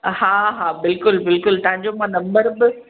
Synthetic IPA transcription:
ɦaːɦaːbɪlkʊlbɪlkʊlt̪ɐ̃ɦɪ̃ɲd͡ʑomãnɐ̃mbəɾbɪ

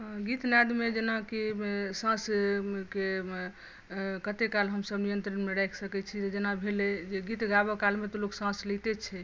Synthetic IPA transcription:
ɡit̪nad̪med͡ʒenakisãske | kət̪ekalɦəmsəbnijənt̪ɾənmeɾajkʰsəkɛt͡ʃʰit̪ed͡ʒenabʱeled͡ʒeɡit̪ɡabɔkalmet̪oloksãslit̪et͡ʃʰɛ

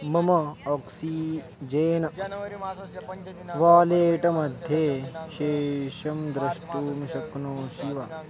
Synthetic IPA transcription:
mɐmɐɔksi | d͡ʒeːnɐ | ʋaːleːʈɐmɐd̪ʱjeʃeːʃɐmd̪ɾɐʃʈuːmiʃɐknoːʃiʋɐ

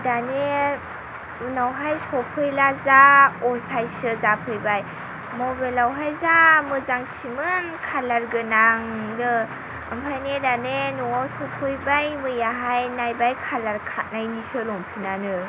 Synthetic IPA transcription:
dane | unawɦajsɔpʰɯjlazaɔsajsɯzapʰɯjbaj | mɔbelawɦajzamɯzaŋt͡ʃʰimɯnkʰalaɾɡɯnaŋnɯ | əmpʰajnedanenɔwawsɔpʰɯjbajmɯjaɦajnajbajkʰalaɾkʰat̚najnisɯlɔmpʰinanɯ

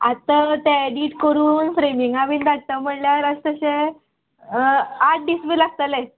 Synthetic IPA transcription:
at̪at̪eeɖiʈkəɾuːnfɾemiŋɡaʋind̪aɽt̪əm̤əɳljaɾast̪əɕe | aʈ̚ʰɖisʋiːlaɡ̚t̪alẽ

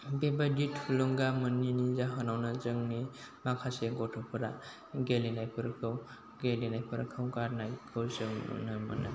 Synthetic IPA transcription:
bebaditʰuluŋɡamɯnːinizaɦɔnawnazɯŋni | makʰaseɡɔtʰɯpʰɯɾa | ɡelinajpʰɯɾkʰɯw | ɡelinajpʰɯɾa̰kʰɯwkaɾnajkʰɯwzɯŋ̰nɯma̰na̰

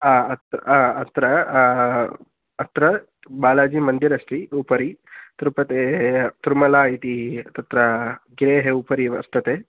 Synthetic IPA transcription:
aːɐt̪aːt̪ɾɐ | ɐt̪ɾɐ | baːlaːd͡ʒimɐnd̪iɾɐʂʈiupɐɾit̪ɾupɐt̪et̪uɾmɐlaːit̪it̪ɐt̪ɾɐɡɾeːɦeupɐɾiʋɐ̰st̪ɐt̪eː

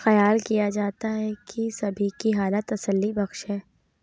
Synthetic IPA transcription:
xɐjaːlkijad͡ʒaːt̪aɦɛkʰisɐbʱikiɦaːlət̪ɐsəlːibɐxʃɦɛː

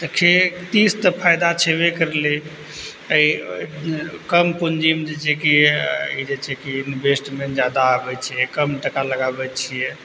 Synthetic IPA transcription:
t̪əkʰet̪ist̪əpʰajd̪at͡ʃʰebekəɾle | əi | kəmpund͡ʒimd͡ʒet͡ʃʰɛkiid͡ʒet͡ʃʰɛkinbesʈmed͡ʒjad̪aəbɛt͡ʃʰijɛkəmʈəkaləɡabɛt͡ʃʰijɛ

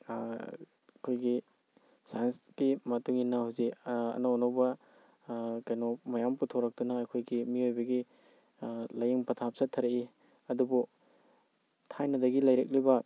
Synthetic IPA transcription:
kʰojɡi | sajnsɡimɐtuŋinɐhawziɐ̰nɐonawbɐ | kajnomɐjamputʰoɾɐk̚dunɐːjkʰojɡimiojbɐɡi | lɐjiŋpɐtʰap̚sɐtʰɐɾei | ɐdubu | tʰajnɐdɐɡilɐjɾḛk̚libɐ

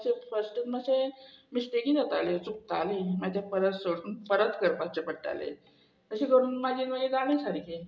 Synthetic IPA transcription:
sefəsʈət̪məsemisʈ̪eɡiːnat̪a̰let͡suk̚t̪alimad͡ʑ̪japəɾət̪soɽuːnpəɾət̪kəɾpat͡sepəʈːa̰lḛ | əɕikəɾuːnmad͡ʑiːnməɡed͡zanẽsaɽki

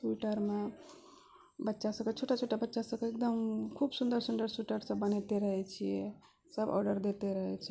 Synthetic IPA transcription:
siʈəɾme | bətːʃasə̃ket͡ʃʰoʈat͡ʃʰoʈabətːʃasəkeek̚d̪əmkʰubsund̪əɾsund̪əɾsuʈəɾsə̃bənɛt̪eɾəɦɛt͡ʃʰijɛ | səbɔ̰ɾɖəɾd̪et̪eɾəɦɛt͡ʃʰ

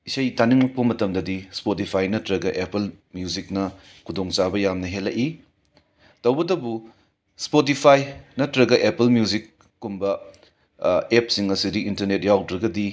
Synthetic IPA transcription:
isɐjtaniŋmɐk̚pɐmɐtɐmdɐdispotipʰajnɐtɾɐɡɐʔepɐlmjuzik̚nɐ | kʰudoŋt͡ʃabɐjamnɐɦelːɐʔi | tɐwɡɐdɐbu | spot̬ipʰajnɐtɾɐɡɐʔepɐlmjuzikː | umbɐ | ep̚siŋɐsidiintɐɾnet̚jawdɾɐɡɐdi

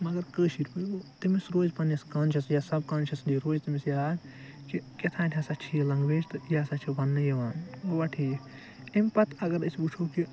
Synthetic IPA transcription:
mɐɡɐɾkəːʃiɾpəɡot̪imisɾoːzpɐnɐskɐːnt͡ʃʰɐsjasɐbkɐːnt͡ʃʰɐsliɾoːzt̪imisjakiket̪ʰaːnʲʈʲʰɐsɐt͡ʃʰijelɐŋɡʋeːd͡ʒt̪ɨjasɐt͡ʃʰibɐnːɨjɐʋaːnoʋɐʈʰij | emʲpɐt̪ʰɐɡɐɾəsbut͡ʃʰoki

